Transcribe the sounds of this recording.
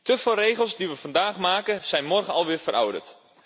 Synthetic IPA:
təfolˠrejχəlˠszdiʋəvɑndaːχmaːkəz̥ɛjnmɔrχənɑlˠʋɪːɹvərʔɔ̰wdə̰ɹt

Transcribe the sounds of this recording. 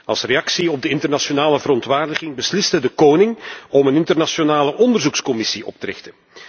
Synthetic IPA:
ɑlˠsrejɑksiɔb̚dəɪntərnasonaːləvəɾɔntʋaːrdəɣɪŋbəslɪstədəkoːnɪŋɔmənɪntərnasonaːləʔɔndərzukskɔmɪsiɔ̰p̚təɾɪ̰xtən

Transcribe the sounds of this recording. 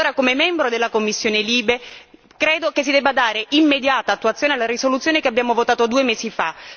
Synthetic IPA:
oːɾakomemɛmbɾod̪elːakomːisːjoːneliːbe | kɾeːd̪okesːid̪ɛbːad̪aːɾeimːed̪jaːt̪aːt̪ːuat̪sjoːnealaɾisolut̪sːjoːnekeabːjaːmovot̪aːt̪od̪uːemeːsifa

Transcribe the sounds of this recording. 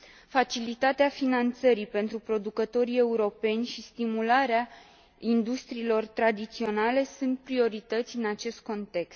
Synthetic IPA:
fat͡ʃilit̪at̪eafinant̪səɾipe̞nt̪ɾupɾo̞d̪ukət̪o̞ɾie̞uɾo̞pe̞nʲʃist̪imulaɾea | ind̪ust̪ɾiːlo̞rt̪ɾad̪it̪sio̞nale̞sunt̪̚pɾio̞ɾit̪ət̪sʲɨnat͡ʃe̞st̪̚ko̞nt̪e̞kst̪

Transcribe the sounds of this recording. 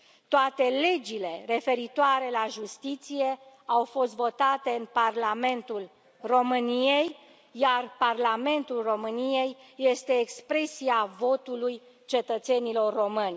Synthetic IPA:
t̪oat̪e̞le̞d͡ʒile̞re̞fe̞ɾit̪oaɾe̞laʒust̪it̪sije̞awfo̞st̪vo̞t̪at̪e̞ɨnparlame̞nt̪ul | ro̞mɨnijej | jarparlame̞nt̪ulro̞mɨnije̞jːe̞st̪e̞ːkspɾe̞siavo̞t̪uluj | t͡ʃe̞t̪ət̪se̞nilo̞rːo̞mɨnʲ

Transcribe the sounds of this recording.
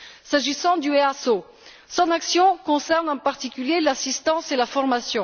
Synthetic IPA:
saʒisɑ̃d̪yeaso | sɔ̃naksjɔ̃kɔ̃sɛʁnɑ̃paʁt̪ikʲyljelasist̪ɑ̃selafɔʁmasjɔ̃

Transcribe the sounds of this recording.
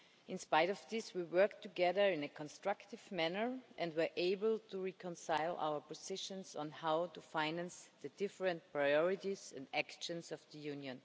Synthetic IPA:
ʔɪ̃nspaɪɾɔvðɪswiwɜ˞k̚tʰːuɡɛðə˞ɪ̃nɨkʰɔ̃nstɹ̥aktɪvmænə˞ʔɛ̃ndwəɹʔeɪbəl̩ˠtʰuɹikʰə̃nsaɪlʔa̰ʊə˞pɔzɪʃə̃nsn̩haʊtufaɪnæ̃nsðɨdɪfɹə̃nt̚pʰɹaɪɔɹɪtizɛ̃ndækʃə̃nsɔvðəjʉ̃njɨ̃n

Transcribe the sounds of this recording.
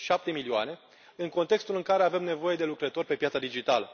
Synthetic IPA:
ʃap̚t̪e̞milioa̰ne̞ | ɨŋko̞nt̪e̞kst̪ulɨŋkaɾe̞ave̞mne̞vo̞je̞d̪e̞lukɾət̪o̞rʲpe̞pjat̪sad̪id͡ʒit̪alə

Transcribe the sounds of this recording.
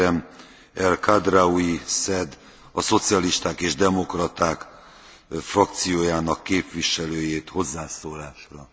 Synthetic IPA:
ɛm | ɛlkad̪raujisɛd̪ | ɒso̞t̪sijɒliʃt̪aːkeːʒd̪ɛmo̞krɒt̪aːk | frɒkt̪sijoːjaːnɒkːeːpʋiʃɛløːjeːt̪ho̞zːaːsoːlaːʃrɒ

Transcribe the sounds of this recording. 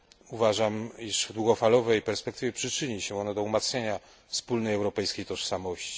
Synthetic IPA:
uvaʐamiʐvd̪wuɡɔfalɔvɛjpɛɾspɛk̚t̪ɘvʲjɛpʂɘt͡ʂɘɲiɕɛɔnɔd̪ɔumat̪sɲʲeɲa | fspulnɛjɛwɾɔpɛjskʲejt̪ɔʂsamɔɕt͡ɕi̥

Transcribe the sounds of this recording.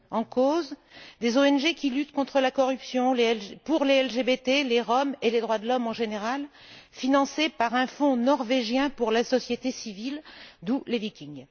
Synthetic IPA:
ɑ̃kozd̪ezoɛnʒekʲilyt̪kɔ̃t̪χəlakɔʁypsjɔ̃lepuʁleɛlʒebet̪eleʁɔmeled̪ʁwad̪lɔmɑ̃ʒeneʁal | finɑ̃sepaʁɛ̃fɔ̃nɔʁveʒjɛ̃puʁlasɔsjet̪esivild̪ulevikʲiŋ

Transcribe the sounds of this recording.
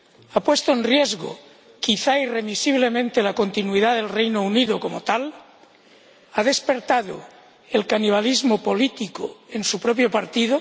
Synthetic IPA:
apwest̪oenrjezɣo̰ | kiθairemisiβlemẽnt̪elako̞nt̪inwiðaðe̞lrejnouniðokomot̪al | aðe̞spe̞ɾt̪aðo̰ | elkaniβ̞alizmopolit̪iko̰ensupɾopjopaɾt̪iðo

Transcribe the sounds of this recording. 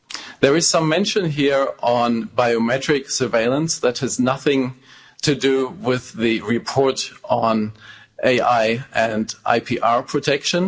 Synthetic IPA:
ðə˞ɨz̥sʌ̃mːɛ̃nʃɨ̃nɦiɹə̃nbaɪomɛtɹ̥ɪksə˞veɪlˠə̃nsðɨt̚hɨznʌθɪ̃ŋ | tʰɨduwɪðːiɹɪpʰɔɹɾn̩ʔeɪʔaɪʔɨ̃ndʔa̰ɪpʰiʔɑɹpʰɹ̥ɨtʰɛkʃə̃n

